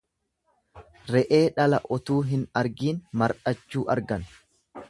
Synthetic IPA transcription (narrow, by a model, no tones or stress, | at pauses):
ɾɛʔe̞ːᶑɐlɐʔɔt̪uːɦɪnɐɾɡiːnmɐɾᶑɐt͡ʃːuːʔɐɾɡɐn